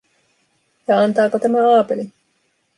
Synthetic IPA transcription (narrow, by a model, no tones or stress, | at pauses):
jɑɑnt̪ɑːkot̪æmæɑːpeli